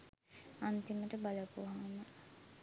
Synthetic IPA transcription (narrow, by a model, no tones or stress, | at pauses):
ant̪iməʈəbaləpuɦaːnə